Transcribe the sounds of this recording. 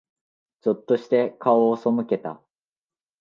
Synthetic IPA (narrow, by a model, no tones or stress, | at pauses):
t͡ɕo̞t̪ːo̞ɕi̥t̪e̞kaoːso̞mɯ̟ke̞t̪a̰